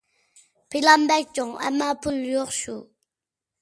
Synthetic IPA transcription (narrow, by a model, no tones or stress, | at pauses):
pʰelambak̚t͡ɕaŋa̰mapʰuljoχɕo